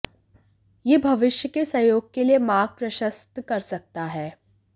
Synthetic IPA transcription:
jeːbʱɐʋɪʃjəkesɐjoːɡ̚keliemaːɡ̚pɾɐʃəst̪kɐɾsɐk̚t̪aɦɛː

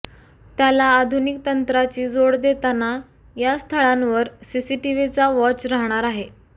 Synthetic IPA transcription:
t̪jalaːd̪ʱunik̚t̪ənt̪ɾat͡ɕiːd͡zoɽd̪et̪ana | jast̪ʰəɭãnʋəɾsisiʈiʋit͡saʋɔt͡ɕɾaɦɳ̃aɾaɦe

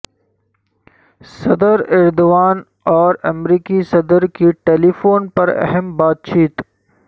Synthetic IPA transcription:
sɐd̪əɾɪɾd̪oʋaːn | ɔːɾɐmɾiːkisɐd̪əɾkiʈeːlifoːnpɐɾɛ̰ɦɛmbaːt̪̚t͡ʃiːt̪

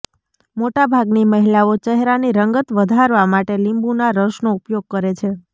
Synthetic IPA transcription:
moʈabʱaɡniməɦilaot͡ʃɛɦɾaniɾəŋɡət̪ʋəd̪ʱaɾʋamaʈelimbunaɾəʃnoupjoɡ̚kəɾet͡ʃʰe

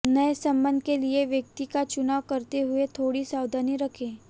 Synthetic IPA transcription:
nɐesɐ̃mbə̃nd̪ʱkelieʋjɐk̚t̪ikat͡ʃʊnaːwkɐɾt̪eɦʊet̪ʰoːɽisaːwd̪ʱaniɾɐkʰẽː

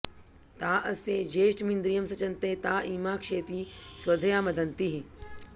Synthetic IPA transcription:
t̪aːʔɐsed͡ʒeːʃʈmĩnd̪ɾijɐmsɐt͡ʃɐnt̪eːt̪aːiːmaːkʂeːt̪iːsʋɐd̪ʱɐjaːmɐd̪ʱɐnt̪iɦi

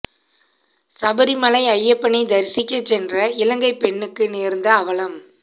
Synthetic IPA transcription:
sɐbɐɾimɐlɐɪɐjːɐpːɐɳid̪ɐɾɪsɪkːɐt͡ʃːɛndrɐɪlɐŋɡɐɪpɛɳːɯkːɯneːɾnd̪ɐːʋɐlɐm

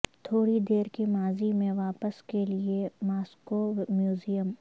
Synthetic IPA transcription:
t̪ʰoːɽid̪eːɾkemaːzimẽʋaːpəskeliemaːskomjuːzijəm

